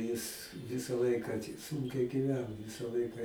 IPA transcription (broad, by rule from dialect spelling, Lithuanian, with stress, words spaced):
jɪs ˈʋʲɪsɐ ˈlˠɐɪkɑː tʲɪ ˈsʊŋʲkʲɛɪ ɡʲiːˈʋʲæːnoː ˈʋʲɪsɐ ˈlˠɐɪkɐ